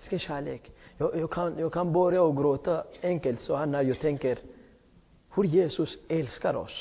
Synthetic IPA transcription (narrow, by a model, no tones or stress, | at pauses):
skəʃæːlḛːkjɔjɔkʰanjɔkʰɑnboɾəɔɡɾoːt̪əɛŋkəlt̪sɔhanæɾjɔt̪ʰɛŋkəɾ | hʊɾjeːsʊsɛlskaɾɔ̰s